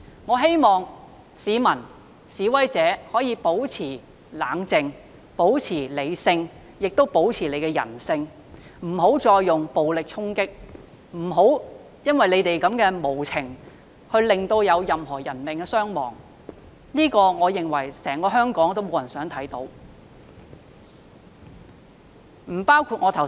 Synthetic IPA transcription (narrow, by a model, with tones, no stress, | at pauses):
ŋɔː˨˧ɦe˥jmɔː˨ŋ | siː˨˧mɐ˨˩n | siː˨˧wɐ˨˥jt͡sɛː˨˥hɔː˨˥jiː˨˧po˨˥wt͡sʰiː˨˩ | laː˨˥ŋt͡sɪ˨ŋ | po˨˥wt͡sʰiː˨˩le˨˧jsɪ˧ŋ | jɪ˨k̚t̪o˥wpo˨˥wt͡sʰiː˨˩le˨˧jkɛː˧jɐ̰˨˩nsɪ˧ŋ | m̩˨˩ɦo˨˥wt͡ʃɔː˧jːʊ˨ŋpo˨wlɪ˨k̚t͡ʃʰʊ˥ŋkɪ˥k̚ | m̩˨˩ɦo˨˥w | jɐ˥nwɐ˨jle˨˧jt̪e˨jkɐ˨˥mkɛː˧mo˨˩wt͡sʰɪ˨˩ŋ | hɵ˧ɥlɪ˨ŋt̪o˧wjɐ˨˧wjɐ˨mɦɔː˨˩jɐ˨˩nmɪ˨˩ŋkɛː˧sœː˥ŋmɔ̰ː˨˩ŋ | liː˥kɔː˧ŋɔː˨˧jɪ˨˩ŋwɐ˨˩jsɛː˨˩ŋkɔː˧ɦœː˥ŋkɔː˨˥ŋt̪o˥wmo˨˧wjɐ˨˩nsœː˨˥ŋt̪ʰɐ˨˥jt̪o˨˥w | m̩˨˩paː˥wkʰuː˧t̚ŋɔː˨˧t̪ʰɐ˨˩